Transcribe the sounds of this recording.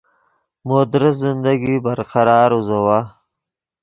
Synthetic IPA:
mod̪ɾɪzɪnd̪aɡibaɾqaɾɑːɾuzawa

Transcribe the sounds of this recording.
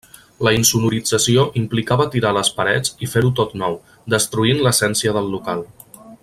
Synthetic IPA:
ləinsumuɾid͡zəsioʔimplikaβət̪iɾaləspəɾɛ̰t͡sifeɾut̪ot̪nɔw | d̪əst̪ɾuinləsɛnsiəðəlˠːukalˠ

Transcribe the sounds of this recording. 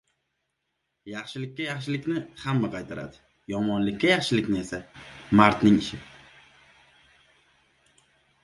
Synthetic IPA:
jɑχʃɪlɪkʲːajɑχʃɪlɪkʲnɪhamːaqʰɑjt̪ʰaɾa̰d̪ɪ̥ | jɒmɒnlɪkʲʰːajɑχʃɪlɪkʲnɪe̞samaɾt̪nɪŋɪʃɪ

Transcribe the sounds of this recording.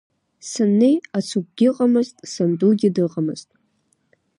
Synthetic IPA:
sɨnːejat͡sʰup̚ɡ̥ʲɪqʼamɨztʼsɨnduɡʲɪdɨqʼamɨ̰z̥tʼ

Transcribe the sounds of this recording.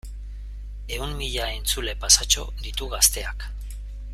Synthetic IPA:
e̞ummiʎae̞nt͡sule̞pasat͡ʃo̞̰d̪it̪uɣast̪e̞ak

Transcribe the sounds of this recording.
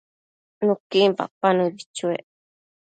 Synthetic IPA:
nũkimpa̰panũibit͡ʃuḛʔ

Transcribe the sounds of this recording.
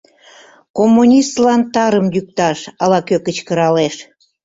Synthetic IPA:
komːunʲist̪lɑnt̪ɑɾəmjyk̚t̪ɑʃɑlɑkøkət͡ɕkəɾɑleʃ

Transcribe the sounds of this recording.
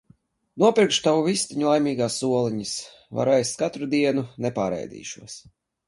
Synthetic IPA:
nuɔpʲiɾkʃt̪awuvist̪iɲulˠajmʲiːɡaːsːuɔlˠiɲis | va̰ɾajst̪kat̪ɾud̪iɛnunɛpaːɾɛ̰jd̪ḭːʃuɔs

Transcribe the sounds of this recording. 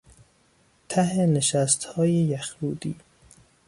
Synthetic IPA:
t̪ʰæɦeneʃæst̪hɒːjejæxɾuːd̪iː

